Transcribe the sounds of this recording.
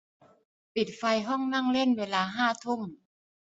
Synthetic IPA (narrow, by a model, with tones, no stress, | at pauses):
pi˨˩t̪̚fa˧jɦɔ˥˩ŋna˥˩ŋle˥˩nweː˧laː˧ɦaː˥˩t̪ʰo˥˩ŋ